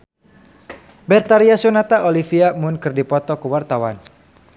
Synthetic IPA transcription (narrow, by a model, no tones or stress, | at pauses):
bɛrt̪aɾiasunat̪aʔolifiamʊnkɨrdipɔt̪ɔkuwart̪awan